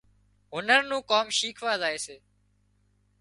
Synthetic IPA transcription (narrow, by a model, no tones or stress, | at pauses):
ɦʊnəɾnũːkoːmʃiːkʰʋaːzaːɦeːseː